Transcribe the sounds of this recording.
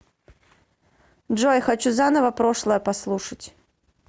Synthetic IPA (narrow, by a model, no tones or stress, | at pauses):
ʐojxɐt͡ɕuzanəvəpɾoʂlˠəjəpɐslˠuʂətʲ